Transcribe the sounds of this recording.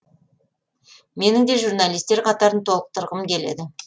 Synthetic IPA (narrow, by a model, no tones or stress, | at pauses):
me̞nɪŋd̪e̞ʒuɾnalist̪e̞ɾqʰɑt̪ɑɾənt̪ʰo̞lˠəq̚t̪ʰəɾʁəmkʲʰe̞le̞̰d̪ɪ